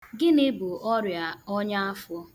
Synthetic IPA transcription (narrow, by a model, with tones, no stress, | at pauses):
ɡɪ˦nɪ˦bʊ˨ʔɔ˦ɾja˨ɔ˦ɲa˦a˦fɔ˦